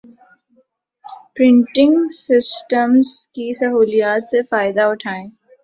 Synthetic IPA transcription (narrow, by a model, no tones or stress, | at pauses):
pɾɪ̃ɳʈɪ̃ŋɡsɪsʈəmzkisɐɦuːlijaːt̪sefaːɪd̪aʊʈʰaːẽː